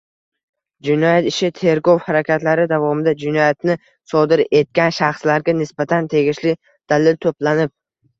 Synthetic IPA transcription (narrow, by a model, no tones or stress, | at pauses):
d͡ʒɪnɒjat̪ɪʃɪt̪ʰe̞ɾɡɒwhaɾakʲat̪laɾɪd̪avɒmɪd̪ad͡ʒɪnɔjat̪nɪ | sɒd̪ɪɾe̞t̪̚kʲanʃaχslaɾɡʲanɪsbat̪ʰant̪ʰe̞ɡʲɪʃlɪ | d̪̥alɪlt̪ʰoplanɪp̚